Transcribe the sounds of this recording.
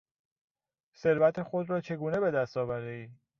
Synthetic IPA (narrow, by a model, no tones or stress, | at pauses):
se̞ɾvæt̪ʰe̞xo̞d̪ɾɒːt͡ʃʰe̞ɡuːne̞be̞d̪æst̪ɒːvæɾd̪eiː